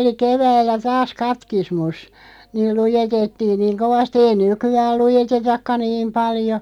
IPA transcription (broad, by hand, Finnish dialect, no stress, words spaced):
oli keʋæːlːæ tɑːs kɑtkismus niːl lujetetːiːŋ niːŋ koʋɑsti ei nykyæːl lujetetɑkːɑ niːm pɑljo